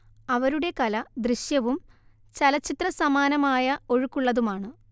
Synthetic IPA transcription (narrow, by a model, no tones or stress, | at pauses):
ɐʋɐɾuɽe̞kɐlɐd̪riɕjɐʋum | t͡ɕɐlɐt͡ɕːit̪rɐsɐmaːnɐmaːjɐo̞ɻukːuɭːɐðumaːɳɨ